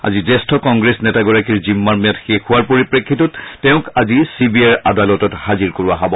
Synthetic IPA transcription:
a̰zizɛstʰɔkɔŋɡɹesnɛtaɡɔɹakiɹzimːaɹmijatxexuaɹpoɹipɹekʰːitɔttɛʊ̃kazisibiaɹadalɔtɔthaziɹkoɹuaɦabɔ

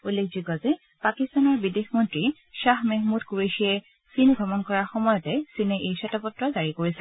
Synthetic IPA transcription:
ulːekʰziɡɔzɛ | pakistanɔɹbidexmɔntɹi | ʃaxmɛɦmutkuɹiʃiɛ | sinɡʱɹɔmɔnkɔɹaɹxɔmɔjɔtɛsinɛʔejsɛtɔpɔtːɹɔzaɹikoɹisɛ

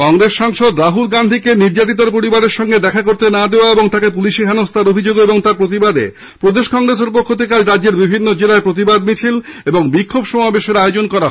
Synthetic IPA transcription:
kɔŋɾesʃaŋʃod̪ɾaɦulɡand̪ʱikeniɾd͡ʑat̪̬it̪aɾpoɾibaɾeɾʃɔŋɡed̪ɛkʰakoɾt̪enad̪eoaeboŋt̪akepuliʃikʰanost̪ʰaɾobʱid͡ʑoɡeboŋt̪aɾpɾot̪̬ibad̪ḛ | pɾod̪eʃkɔŋɾes̬eɾpokʰːot̪ek̬ad͡ʑɾadːeɾbibʱinːod͡ʑelaepɾot̪̬ibad̪mit͡ɕʰileboŋbikʰːobʃɔmabeʃeɾaeod͡ʑonkɔɾa

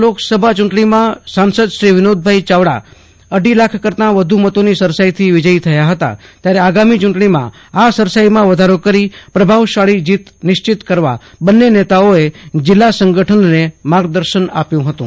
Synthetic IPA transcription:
loksəbʱat͡ʃuɳʈɳimãsansəd̪ʃɾiʋɪnod̪̚bʱait͡ʃaʋɽa̰ | əɖʱilakʰkəɾt̪ãʋəd̪ʱumət̪onisəɾsait̪ʰiʋɪd͡ʒəjt̪ʰəjaɦət̪a̰t̪jaɾeaɡamit͡ʃuɳʈɳimã̰ | asəɾsajimãʋəd̪ʱaɾokəɾipɾəbʱaʋʃaɭid͡ʒit̪nɪʃt͡ʃɪt̪kəɾʋa̰ | bənːenet̪aoed͡ʒɪlːasəŋɡəʈʰənnemaɡd̪əɾʃəna̰pjũɦət̪ṵ̃

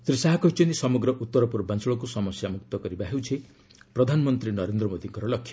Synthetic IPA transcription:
sɾisaɦakɔɦit͡ʃʰɔnt̪isɔmɔɡɾɔʔut̪ːɔɾɔpuɾbʱant͡sɔɭɔkusɔmɔsjamuk̚t̪ɔkɔɾibaɦewt͡ʃʰe | pɾɔd̪ʱanɔmɔnt̪ɾinʌɾend̪ɾɔmod̪iŋkʌɾɔlɔkʰːjʌ

